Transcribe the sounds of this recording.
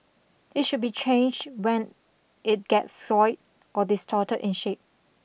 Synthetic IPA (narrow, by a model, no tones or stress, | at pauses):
ɪt̚ʃʊd̚bit͡ʃʰẽnd͡ʒdwɛ̃n | ɪt̚ɡ̥ɛtsːɔɪt̚ | ʔɔdɪstʰɔtəʔɪ̃nʃep̚